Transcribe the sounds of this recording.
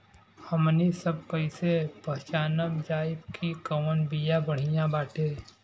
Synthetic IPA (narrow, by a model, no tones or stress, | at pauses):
həmnisəb̚kəɪsepəɦt͡ʃaːnəbd͡ʒaːɪbkʰikəwənbijãbəɽ̤ijãbaːʈʰeː